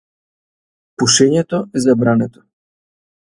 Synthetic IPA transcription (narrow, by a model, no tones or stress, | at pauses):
puʃɛɲɛt̪oɛzabɾanɛt̪ɔ̥